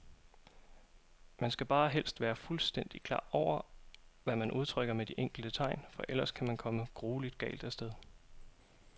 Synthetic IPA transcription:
mænsɡ̥æb̥ɑ̈ːɦel̰sd̥ʋæːɐfulsd̥en̰d̥ikʰl̥ɑ̰̈ːɒʊ̰ɐʋæmænʔuð̞ˠt͡sʰʁœɡ̥ɐmed̥iʔeŋ̰ɡ̥l̩d̥ət͡sʰɑ̈ɪnfɒ̽ʔel̰ɐskʰæmænkʰɒ̽məɡ̥ʁuːlid̥ɡ̥ɛ̰ːld̥æsd̥eðˠ

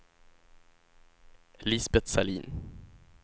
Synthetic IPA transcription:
lisbɛt̪salḭːn

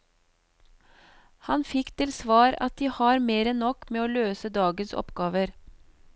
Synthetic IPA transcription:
hɑnfɪkt̪ʰɪlsʋɑːɾɑt̪̚d̪iːhɑːɾmeːɾənnːɔkmeːoːløːsəd̪ɑːɡənsɔ̰pɡɑːʋəɾ

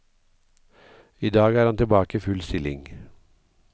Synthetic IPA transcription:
iːd̪ɑːɡæːɾhɑnt̪ɪlbɑːkəfʉlst̪ɪlɪ̰ŋ

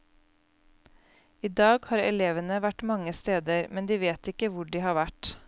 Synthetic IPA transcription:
iːd̪ɑːɡhɑːɾɛ̰leːʋənəʋæʈmɑŋəst̪eːd̪əɾmɛnd̪iːʋeːt̪ɪkəʋʊɖiːhɑːʋæʈ

